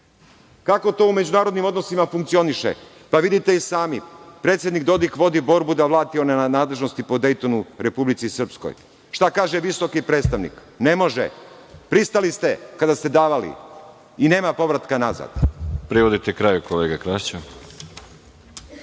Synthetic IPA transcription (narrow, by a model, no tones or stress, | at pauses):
kako̞t̪o̞ːume̞d͡ʑunaːɾod̪nimo̞d̪no̞simafuŋk̚t̪sio̞niʃḛ | paʋid̪it̪eisaːmipɾet̪sje̞d̪nikd̪o̞d̪ikʋo̞d̪ibo̞ɾbud̪aʋlˠaːt̪io̞nanaːd̪le̞ʒno̞st̪ipo̞d̪e̞jt̪o̞nuɾe̞publit̪sisr̩psko̰j | ʃt̪akaːʒeʋiso̞kipɾeːt̪st̪aʋnḭk | ne̞mo̞ʒḛ | pɾist̪alist̪e̞kad̪ast̪e̞d̪aːʋalḭ | ine̞ːmapo̞ʋɾat̪kanaza̰d̪pɾiʋod̪it̪ekɾaːjukoleːɡakɾaʃt͡ɕe